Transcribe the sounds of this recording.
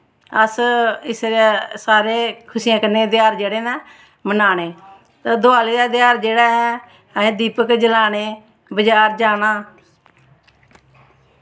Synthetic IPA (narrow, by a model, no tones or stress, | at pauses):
əsɪsɾsaːɾeːkʰʊsiːãːkənẽːd̪ɪjaːɾd͡ʒeːɽeːnɛː | mənaːneː | t̪ːd̪oaːleːd̪aːd̪ɪjaːɾd͡ʒeːɽaːɦɛː | əẽːd̪iːpəkd͡ʒəlaːneː | bəd͡ʒaːɾd͡ʒaːnaː